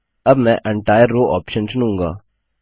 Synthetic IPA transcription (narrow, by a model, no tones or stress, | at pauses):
ɐbmɛ̃ʔɛ̃ɳʈaːjəɾːoːʔɔːpʃənsnɦũːŋɡa̰ː